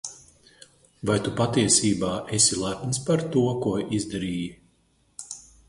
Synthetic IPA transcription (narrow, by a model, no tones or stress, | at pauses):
vajt̪upat̪iɛsiːbaːʔesilˠap̪nspaɾt̪uɔkuɔʔizd̪aɾiːj